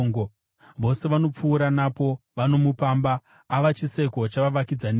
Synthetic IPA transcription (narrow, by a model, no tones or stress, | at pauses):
ŋɡo | ʋo̞se̞ʋano̞p͡fuːɾanapo̞ʋano̞mupaːmbaː | ʋat͡ʃise̞ko̞t͡ʃaʋaʋakid͡zan